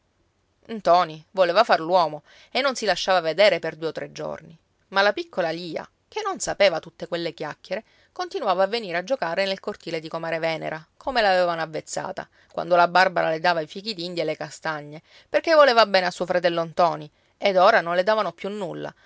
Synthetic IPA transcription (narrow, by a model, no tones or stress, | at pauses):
nt̪ɔːnivoleːvafarlwɔːmo | enːonsilaʃːaːvaved̪ɛːɾeperd̪uːeot̪ːɾed͡ʒːo̰rni | malapikːolaliːa̰ | kenːonsapeːvat̪ut̪ːekwelːekjakːjeɾe | kont̪inuwaːvaːvːeniːɾead͡ʒːokaːɾenelkort̪iːled̪ikomaːɾevɛːnḛɾakʰomelaːvɛːvanoavːet̪sːa̰ːt̪a̰ | kwʔa̰nd̪olabarbaɾa̰led̪aːvaifikid̪ind̪jaelekast̪aɲːe | perkevːoleːvabɛːneasːuːofɾat̪ɛlːont̪ɔːni | ed̪oːɾanonled̪aːvanopjunːulːa̰